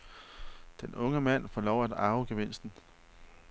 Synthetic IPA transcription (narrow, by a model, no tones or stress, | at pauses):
d̥enɔ̽ŋəmæn̰fɒːlɒʊ̰æd̥ɑ̈ʊəɡ̥eʋe̝n̰sd̥n̩